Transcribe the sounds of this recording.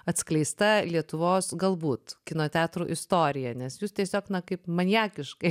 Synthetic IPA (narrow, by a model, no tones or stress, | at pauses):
ɐt̪ʲsklʲɛɪst̪ɐlʲiɛt̪ʊʋoːsɡɐlˠbuːt̪kʲɪnoːt̪ʲæːt̪ɾuːʔɪst̪oːɾʲɪjɛnʲɛsjuːstʲiɛsʲoːknɐkɐɪpmɐnʲjæːkʲɪʃkɐɪ